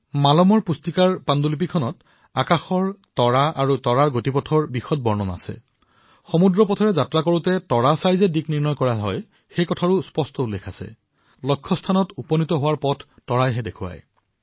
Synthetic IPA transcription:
malɔmɔɹpustikaɹpandulip̬ikʰɔnɔt | akaxɔɹtɔɹaʔaɹutɔɹaɹɡotipɔtʰɔɹbixɔt̚bɔɹnɔna̰sɛ̰ | xɔmudɹɔpɔtʰɔɹɛzatɹakoɹutɛtɔɹasajzɛdikniɹnɔjkɔɹaɦɔ̰j | xejkɔtʰaɹuspɔstɔulːekʰasɛ̰ | lɔkʰːɔstʰanɔtupɔnitɔɦʊwaɹpɔtʰːɔɹajɦɛdekʰʊwa̰j

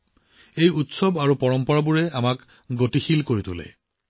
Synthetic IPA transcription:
ejut̪sɔbaɹupɔɹɔmpɔɹabuɹɛamak | ɡotixilkoɹit̪ulḛ

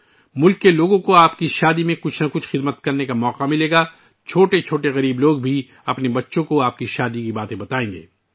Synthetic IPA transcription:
mʊlkːeloːɡõkoaːpkiʃaːd̪imẽkʊt͡ʃʰnɐkʊt͡ʃʰxɪd̪mət̪kɐɾnekamɔːqamɪleːɡaː | t͡ʃʰoːʈet͡ʃʰoːʈeɣɐɾiːbloːɡ̚bʱi | ɐpnebɐtːʃõkoaːp̚kiʃaːd̪ikibaːt̪ẽbɐt̪aːẽːŋɡḛː

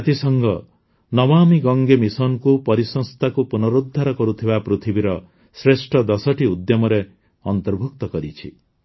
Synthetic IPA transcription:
at̪isɔŋɡɔ | nɔbamiɡɔŋɡemisɔnɔkupɔɾisɔŋst̪ʰakupunɔɾud̪ʱːaɾɔkɔɾut̪ʰibapɾut̪ʰibiɾɔ | sɾesʈʰɔd̪ɔsɔʈʰiud̪jɔmɔɾe | ɔnt̪ɔɾbʱuk̚t̪ɔkɔɾit͡ʃʰi

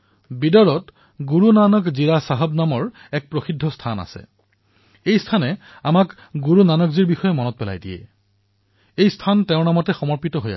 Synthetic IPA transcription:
bidɔɹɔt | ɡuɹunanɔkziɹasaɦɔbnamɔɹ | ɛk̚pɹoxidʱːɔstʰana̰sɛ̰ | ejstʰanɛ | amak | ɡuɹunanɔkziɹbixɔjɛmɔnɔt̚pɛla̰jdijɛ̰ | ejstʰantɛʊ̃namɔtɛxɔmɔɹpitɔɦoja̰

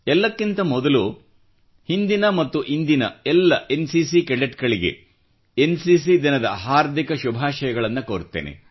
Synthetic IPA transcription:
ɛlːɐkːint̪ɐmɔd̪ɐlu | hind̪inɐmɐt̪ːuʔind̪inɐ̰ɛlːɐʔensisikɛɭeʈɡɐɭiɡe̞̰ | ensis̬id̪inɐd̪ɐɦaːɾd̪ʱikɐʃubʱaːʃɐjɐɡɐɭɐnːɐkoːɾt̪ːeːnḛ

